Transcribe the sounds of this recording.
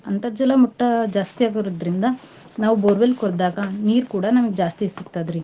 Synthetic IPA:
ɐnt̪ɐɾd͡ʒɐlɐmuʈːɐd͡ʒaːst̪ijaːɡiɾod̪ɾind̪ɐ | naːʋuboːɾʋelkɔɾd̪aːɡɐniːɾkuːɽɐnɐmɐɡed͡ʒaːst̪isikt̪aːd̪ɾi

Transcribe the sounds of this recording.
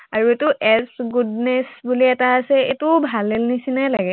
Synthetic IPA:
aɹuetʊʔɛsɡudnɛsbuliɛtaːsɛḛtubʱalːelnisinajlaɡɛ

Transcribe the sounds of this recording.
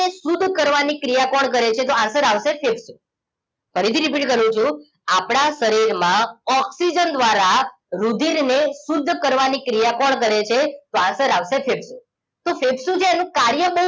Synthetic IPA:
esud̪ʱkəɾʋanikɾijakɔɽk̬əɾet͡ʃʰet̪oãsəɾaʋʃefebsũ | fʰəɾit̪iɾipiʈkəɾũt͡ʃʰũ | apɽ̃asəɾiɾmãɔksid͡ʒənd̪ʋaɾa | ɾud̪ʱiɾnesud̪ʱːkəɾʋanikɾijakɔɳk̬əɾet͡ʃʰet̪oãnsəɾaʋsefebsũ | t̪ofʰebsũd͡ʒʰeːnũkaɾjəbə

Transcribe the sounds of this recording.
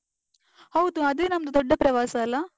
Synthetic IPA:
hɐwd̪uɐd̪eːnɐmːɐd̪ud̪ɔɖːɐpɾɐʋaːsɐɐlːɐ

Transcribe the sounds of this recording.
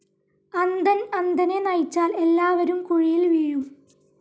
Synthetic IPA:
ɐnd̪ɐnɐnd̪ɐnenɐjt͡ɕːaːle̞lːaːʋɐɾumkuɻijilʋiːɻum

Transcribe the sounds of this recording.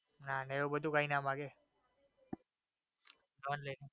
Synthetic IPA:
naneeobəd̪ʱukaːinaːmãɡe | noənləine

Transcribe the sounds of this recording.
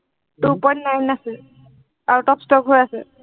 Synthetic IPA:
tupɔnːajnasɛ | aɹutɔpstɔkɦojasɛ̰

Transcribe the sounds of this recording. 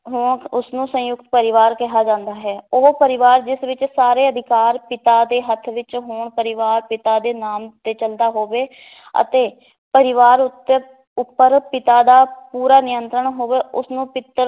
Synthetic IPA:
ɦʊɳʊsnũːsə̃jʊkt̪pəɾɪʋaːɾkɪɦaːd͡ʒãːnd̪aːɦɛːoːpəɾɪʋaːɾd͡ʒɪsʋɪt͡ʃsaːɾeːəd̪ʱɪkaːɾpɪt̪aːd̪eːɦət̪ʰʋɪt͡ʃɦʊɳpəɾɪʋaːɾpɪt̪aːd̪eːnaːmt̪eːt͡ʃəld̪aːɦoːʋeː | ə̰t̪eː | pəɾɪʋaːɾʊt̪ːeː | ʊpːəɾpɪt̪aːd̪aːpuːɾaːnɪjənt̪ɾəɳɦoːʋeːʊsnũːpɪt̪ːəɾ

